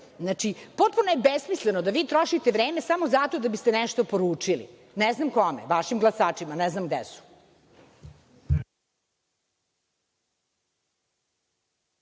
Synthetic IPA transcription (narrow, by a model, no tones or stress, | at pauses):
znat͡ʂipot̪̚punojebesmislenod̪aʋiːt̪ɾoʃit̪eʋɾeːmesamo̞zat̪od̪abist̪enɛʃt̪o̞poɾuːt͡ʂilḭ | nɛznamkomḛʋaʃimɡlˠasaːt͡ʃimanɛznamɡd̪esu̥